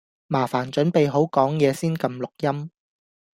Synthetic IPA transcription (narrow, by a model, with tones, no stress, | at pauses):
maː˨˩faː˨˩nt͡ʃɵ˨˥npe˨jɦo˨˥wkɔː˨˥ŋjɛː˨˧siː˥nkɐ˧mlʊ˨k̚jɐ˥m